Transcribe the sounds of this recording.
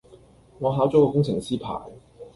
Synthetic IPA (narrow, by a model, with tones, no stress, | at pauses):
ŋɔː˨˧ɦaː˨˥wt͡sɔː˨˥kɔː˧kʊ˥ŋt͡sʰɪ˨˩ŋsiː˥pʰa̰ː˨˩j